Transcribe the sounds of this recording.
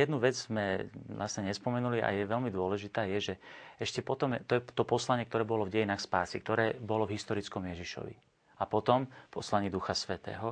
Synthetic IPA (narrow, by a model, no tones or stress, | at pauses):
jɛd̪nuʋɛd͡zzmɛlʔasɲɛɲɛspɔmɛnuliʔa̰jɛʋɛlmid̪ʊɔlɛʒit̪aːjɛʒɛɛʃcɛpɔt̪ɔmt̪ɔjɛt̪ɔpɔslaɲɪɛkt̪ɔɾɛːbɔlɔvɟɛjinaːxspaːsik̚t̪ɔɾɛːbɔlɔvɦist̪ɔɾit͡skɔmjɛʒiʃɔ̰ʋḭ | apɔt̪ɔmpɔslaɲiːd̪uxasʋɛt̪ɛ̰ːɦɔ